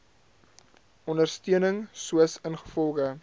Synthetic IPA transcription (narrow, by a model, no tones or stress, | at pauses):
ɔndərstyənəŋsuəsənχə̥fɔlˠχə